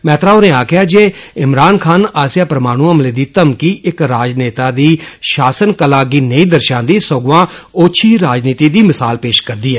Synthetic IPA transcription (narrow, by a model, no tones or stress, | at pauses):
mɛːt̪ɾaːonẽːaːkʰɪjaːd͡ʒeːɪmɾaːnkʰaːnaːsjaːpɾəmaːɽ̃uːəmleːd̪iːt̪əmkiːɪkɾaːd͡ʒneːt̪aːd̪iːʃaːsənkəlaːɡiːnəĩːd̪əɾʃãːnd̪iːsoɡʋãːoːt͡ʃʰiːɾaːd͡ʒniːt̪iːd̪iːmɪsaːlpeːʃkəɾd̪iːɦɛː